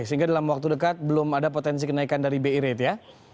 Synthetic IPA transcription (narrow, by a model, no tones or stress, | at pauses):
səɦiŋɡadalamwak̚t̪udəkat̪̚bəlʊmadapot̪ɛns̬ikənaikandaɾibeiɾet̪ja